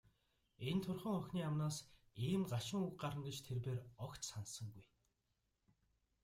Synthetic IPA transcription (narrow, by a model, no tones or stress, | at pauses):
ent̪ʰʊrχə̆ŋœxʲniːamnaːsiːmɢaʃɪ̆ŋukɢaɾə̆ŋɡet͡ɕt̪ʰerpeːrɔkt̪sansə̆ŋɡuj